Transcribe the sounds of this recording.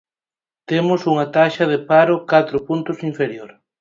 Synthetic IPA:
t̪emʊsuŋɐt̪aʃɐð̞epaɾʊkat̪ɾʊpunt̪ʊsiɱfeɾjoɾ

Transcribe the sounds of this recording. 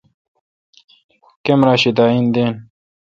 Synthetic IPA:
kemɾaːɕid̪aːind̪en

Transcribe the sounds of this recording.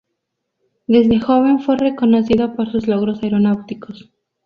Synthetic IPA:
d̪e̞zðe̞xo̞βe̞ɱfwe̞re̞ko̞no̞siðopo̞ɾsuzlo̞ɣɾo̞saeɾo̞nawt̪iko̞s

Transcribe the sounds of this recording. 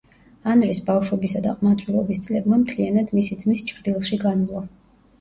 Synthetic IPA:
anɾisbafʃwɔbisad̪a̰qʼmat̪sʼwilˠɔbist̪sʼlɛbmamt̪ʰlianad̪misid̪zmist͡ʃʰɾd̪ilˠʃiɡanlˠɔ

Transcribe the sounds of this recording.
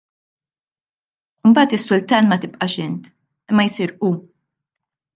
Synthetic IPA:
ɪmbɐːt̪ɪsːʊlt̪ɐːnmɐt̪ɪpʼʔɐʃɪnt̪ | ɪmːɐjsiːɾʔuː

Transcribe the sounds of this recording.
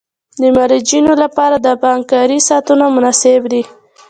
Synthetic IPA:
d̪əmaɾid͡ʒinolapɑɾad̪əpaŋkɑɾisɑt̪unamʊnɑsebd̪i

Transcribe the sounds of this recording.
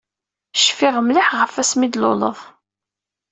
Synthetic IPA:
ʃfɪʁmliħʁəfæsmid̪lo̰lə̰ðˤ

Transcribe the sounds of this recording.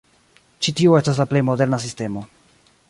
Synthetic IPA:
t͡ʃitioe̞stas̬laple̞jmo̞de̞ɾnas̬iste̞mo̞

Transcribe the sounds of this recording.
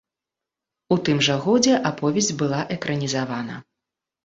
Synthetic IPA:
ut̪ɨmʐɐɣɔd͡zʲɛʔapɔvʲɛzʲd͡zʲbɨlˠaʔɛkɾɐnʲizavanɐ̰

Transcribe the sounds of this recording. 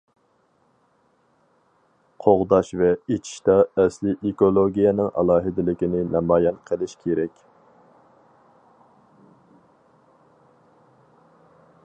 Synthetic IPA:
qʰoʁd̪ɑʃvɛet͡ʃʰi̥ʃt̪ɑɛslɪʔekolˠoɡʲijɛnɪŋʔɑ̰lˠɑːɦɪd̪ɪlɪkʲinɪnɑmɑːjɛnqʰəlˠɪʃkʲʰeɾɛkʲ

